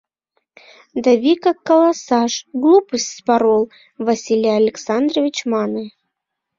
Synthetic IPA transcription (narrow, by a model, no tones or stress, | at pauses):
d̪avʲikakːɐlˠasɑʂɡlˠupəsʲtʲspaɾolˠ | vɐsʲilʲijaɐlʲɪksand̪rəvʲit͡ɕmɑnɨ